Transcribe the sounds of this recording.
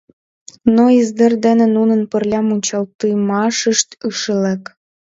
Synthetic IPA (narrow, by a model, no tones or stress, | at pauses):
noizd̪ə̆rd̪enenunə̆npə̆rlʲɑmut͡ɕɑlt̪ɯjmɑʃəʃt̪yʃəlek